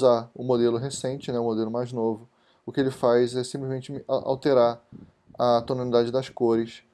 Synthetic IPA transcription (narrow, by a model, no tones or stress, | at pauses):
zaʊmod̪elʊɦesẽnt͡ʃɪnɛʊmod̪elʊmajznovʊ | ʊkɪelɪfajzɛsĩplɪzmẽnt͡ʃɪa̰wt̪eɾaɾ | ɐt̪onalid̪ad͡ʒɪd̪ɐskoɾɪs